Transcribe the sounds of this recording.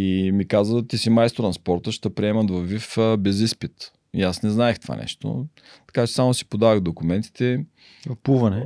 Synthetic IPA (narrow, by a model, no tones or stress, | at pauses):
imikazət̪isimajst̪oɾnspɔɾt̪əʃt̪ɛpɾiɛmɐt̪vɐvːifbɛzispit̪ | iasnɛznaɛxt̪ova̰nɛ̰ʃt̪o̰ | t̪ɐ̥kat͡ʃɛ̥samosi̥pod̪avəɣd̪okʊmɛnt̪i̥t̪ɛ | puvɐnɛ